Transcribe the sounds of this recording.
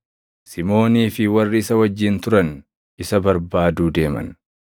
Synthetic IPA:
sɪmo̞ːniːfɪwɐrːɪɪsɐwɐd͡ʒːɪnt̪ʊɾɐn | ɪsɐbɐɾbaːd̪uːd̪e̞ːmɐ̰n

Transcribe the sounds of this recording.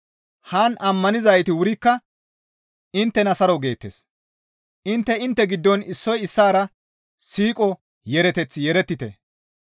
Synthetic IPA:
hanʔɐmːɐnɪzɐjt̪ɪwʊɾɪkːɐ | ɪnt̪ːɛnɐsɐɾɔɡe̞ːt̪ːeːs | ʔɪnt̪ːɛɪnt̪ːɛɡɪd̪ːɔnɪsːɔjɪsːaːɾɐ | siːkʼɔ | jɛɾɛt̪ɛt͡sːjɛɾɛt̪ːɪt̪ɛ̰

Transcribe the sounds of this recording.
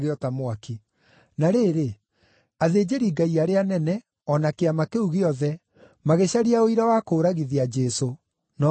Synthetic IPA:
ɣeɔtamwaki | naɾeɾe | aðeːd͡ʑeɾiːɡaiaɾeanɛnɛ | ɔnakeamakeuɣeɔðɛ | maɣeɕaɾiaoiɾawakoːɾaɣiðiad͡ʒɛso | nɔ

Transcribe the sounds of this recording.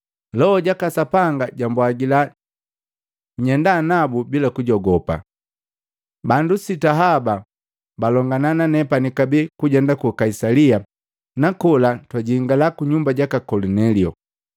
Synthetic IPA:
lɔɔɟakasapaŋɡaɟambwaɡila | ɲɛndanabubilakuɟɔɡɔpa̰ | bandusitaɦaba | balɔŋɡanananɛpanikabikuɟɛndakukaisalia | nakɔlatwaɟiːŋɡalakuɲumbaɟakakɔlɔnɛliɔ

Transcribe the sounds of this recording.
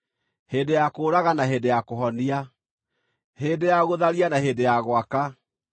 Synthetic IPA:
heːdejakoːɾaɣanaɦeːdejakoɦɔnia | heːdejaɣoðaɾianaɦeːdejaɣwaka

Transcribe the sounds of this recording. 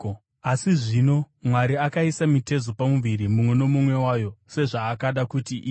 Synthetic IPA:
asiʐino̞mwaɾiakaisamite̞zopamuʋiɾimumwe̞no̞mumwe̞waːjo̞se̞ʐaːkaɗakutiʔiː

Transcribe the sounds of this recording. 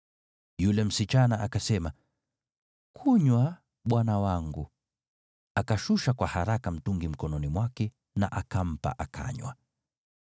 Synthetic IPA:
julɛm̩sit͡ʃanaʔakasɛma | kʰuɲwa | ɓwanawaŋɡu | akaʃuʃakwahaɾakam̩tuŋɡim̩kɔnɔnimwakɛ | na̰ʔakam̩pa̰ʔakʰa̰ɲwa̰

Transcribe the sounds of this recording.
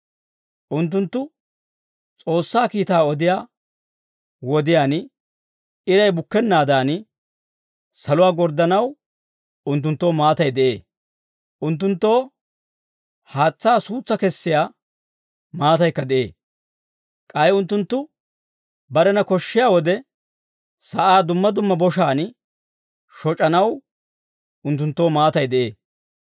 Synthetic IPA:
ʔʊnt̪̬ːʊnt̪ːʊ | t͡sʼo̞ːsːaːkiːt̪aːɔd̪ɪjaː | wɔd̪ɪjaːn | ɪɾɐjbʊkːɛnːaːd̪aːn | sɐlʊwaːɡɔɾd̪ɐnɐw | ʊnt̪̬ːʊnt̪ːo̞ːmaːt̪ɐjd̪ɛʔe̞̰ː | ʔʊnt̪̬ːʊnt̪ːo̞ː | haːt͡sːaːsuːt͡sːɐkɛsːɪjaː | maːt̪ɐjkːɐd̪ɛʔe̞̰ː | kʼɐjʊnt̪ːʊnt̪ːʊ | bɐɾɛnɐkɔʃːɪjaːwɔd̪ɛ | sɐʔaːd̪ʊmːɐd̪ʊmːɐbɔʃaːn | ʃɔt͡ʃʼɐnɐw | ʊnt̪ːʊnt̪ːo̞ːmaːt̪ɐjd̪ɛʔe̞̰ː

